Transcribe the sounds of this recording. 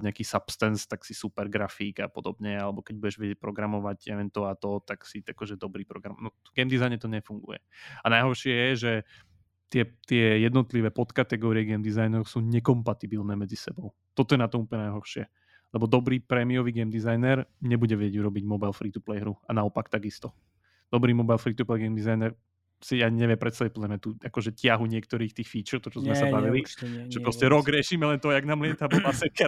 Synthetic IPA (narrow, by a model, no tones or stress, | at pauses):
ɲɛakiːsapst̪ɛnst̪aksisupɛɾɡɾafiːɡa̰pɔd̪ɔbɲɛalɛbɔkɛɟ̚buɟɛʒʋɛɟɛc̚pɾɔɡɾamɔʋaɟɛʋɛnt̪ɔat̪ɔt̪aksiakɔʒɛd̪ɔbɾiːpɾɔɡɾamnɔ | ɡɛmd̪izajɲɛt̪ɔɲɛfuŋɡṵjɛ̰anajɦɔɾʃɪɛjɛʒɛ | t̪ɪɛt̪ɪɛjɛd̪nɔt̪liʋɛːpɔt̪kat̪ɛɡɔːɾiɪɛɡɛːmd̪izajnɾɔʊsuːɲɛkɔmpat̪ibilnɛːmɛd͡zisɛbɔʊ | t̪ɔt̪ɔjɛnat̪ɔmuplɲɛnajɦɔɾʃɪɛ | lɛbɔd̪ɔbɾiːpɾɛːmiɔʋiːɡɛmd̪izajnɛɾɲɛbuɟɛʋɛɟɛɟuɾɔbiɟmɔbajlfɾiːt̪uplɛjɦɾuanaɔpakt̪aɡist̪ɔ | d̪̥ɔbɾiːmɔbajlfɾiːt̪uplɛjɡɛmd̪izajnɛɾ | sijaːɲɛʋɪɛmpɾɛt̪saʋɛpɔd̪laɾmɲat̪uːakɔʒɛcɪaɦuɲɪɛkt̪ɔɾiːxt̪iːxfiːt͡ʃɛʊt̪ɔt͡ʃɔzmɛsabaʋiliʒ̥ɛpɾɔscɛɾɔɡɾɪɛʃiːmɛlɛnt̪ɔjaɡnaːmlɪɛt̪abɔmasɛkɛ